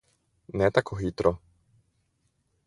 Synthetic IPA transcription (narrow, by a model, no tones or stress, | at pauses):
nɛt̪akʰoxit̪ɾɔ